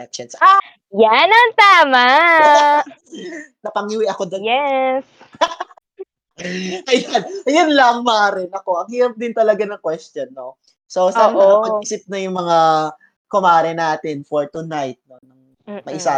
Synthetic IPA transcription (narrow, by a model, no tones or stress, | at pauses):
ɛt͡ʃɐnsa | janɐŋt̪aːma | nɐpɐŋiwɪʔɐkod̪ɐɛs | ʔɐjanjʊnlɐŋmaɾɛnɐko̞ʔɐŋhiːɾɐp̚d̪ɪnt̪ɐlɐɡanɐŋkwɛst̪jonːo | sosɐʔopɐɡisɪp̚nɐjʊŋmɐŋa | kʊmaːɾɛnaːt̪ɪnfoɹt̪unajt̪̚nonɐŋ | mɐʔɪsa